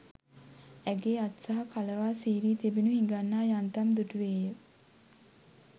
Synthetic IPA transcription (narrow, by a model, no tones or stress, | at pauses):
æɡeːat̪saɦakaləʋaːsiːɾiːt̪ebinuɦiŋɡanːaːjant̪amd̪uʈuʋeːjə